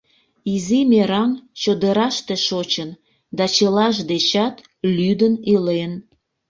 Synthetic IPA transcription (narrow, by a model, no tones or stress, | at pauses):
izimeɾɑnt͡ɕod̪əɾɑʃt̪eʃot͡ɕən | d̪ɑt͡ɕəlɑʃd̪et͡ɕɑt̪ | lyd̪ənilen